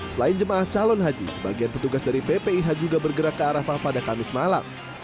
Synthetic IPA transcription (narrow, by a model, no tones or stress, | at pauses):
səlaɪnd͡ʒəmaaht͡ʃalɔnɦad͡ʒḭsəba̰ɡianpət̪uɡasdaɾipepeiɦad͡ʒuɡabərɡəɾakːəaɾafahpadakamɪsmala̰m